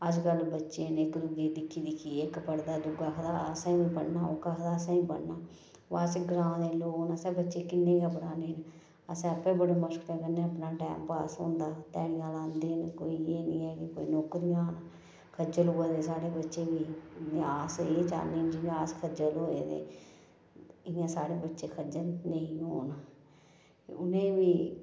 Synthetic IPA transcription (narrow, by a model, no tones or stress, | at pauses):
əd͡ʒkəlbətːʃeːnɪkɾʊɡeːd̪ɪkʰːiːd̪ɪkʰiːekpəɽd̪aːd̪ʊɡaːkʰd̪aːəsãːʋiːbəɳnaːo̰ːkəkʰd̪aːəsãːĩːbə̰ɳnaː | ʋaːsɪɡɾãːd̪eːloːnəsɛ̃ːbətːʃeːkɪnːẽːkəbɽaːneːn | əsɛ̃ːəpẽːbəɽaːməskpɛ̃ːkənːẽːəpnaːʈɛ̰ːmpaːsõ̰ːnd̪aːt̪ɛːɽɪjãːlãːnd̪eːnkoːiːeːnĩːɛːkɪkoːḭːnoːkɾijãːn | kʰəd͡ʒəluːaːd̪eːsaːɽeːbətːʃeːʋiːeaːseːt͡ʃa̰ːneːnd͡ʒɪjãaːskʰəd͡ʒəlɦoːḛːd̪ḛː | ɪjãːsaːɽeːbətːʃeːkʰəd͡ʒəlnəĩɦoːna | ʊnẽːʋiː